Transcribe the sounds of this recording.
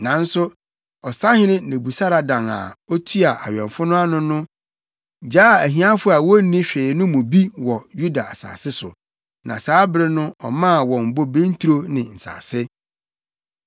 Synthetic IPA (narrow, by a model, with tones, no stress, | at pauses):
nã˨n̩˦sʊ˦ | ɔ˨sa˦hɪ̃˦nɪ̃˦˨nẽ˨bu˨sa˦ɾa˨dã˨ŋa̰˨ɔ˦tʰu˦a˨ʔa˨ɥᶣɛ̃˨ɱfʊ˦nʊ̃˦a˦nʊ̃˦nʊ̃˦ | d͡ʑaː˦˨æ˨ɦĩ˦ã˦fʊ˦a˨wɔ˦nĩ˦ɕᶣeː˨nʊ̃˦mʊ̃˨bi˦wɔ˨ju˦da˨a˨sa̰ː˨sɪ˦sʊ̰˨ | nã̰˨saː˨˦bɪ˦ɾɪ˦nʊ̃˦ɔ̰˨mã˦˨wɔ̃˨m̩˨bo˦bẽ˦n˦tʰu˦ɾo˦nɪ̃˨n̩˨sa̰ː˨sɪ˦